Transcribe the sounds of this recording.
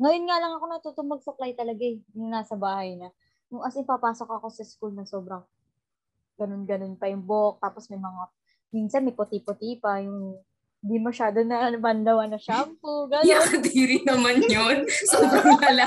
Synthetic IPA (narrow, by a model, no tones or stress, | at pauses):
ŋɐjo̞nŋalɐŋɐko̞nɐt̪ut̪ʊmɐɡ̚sɐplajt̪ɐlɐɡaɛnʊŋnaːsɐbaːhɐjnɐ | nʊŋʔɐsɪnpɐpaːsokɐko̞sɐskulnɐsoːbɾɐŋ | ɡɐno̞nɡɐno̞npɐjʊŋbok̚t̪aːposmɐjmɐŋa | minsɐnmɐjpot̪ipot̪ipɐjʊŋ | hɪnd̪imɐʃaːd̪onɐnɐbɐnd̪ɐwɐnɐʃampʊɡɐnoɐnɐt̪iɾɪnɐmanjonsoːbɾɐŋɐla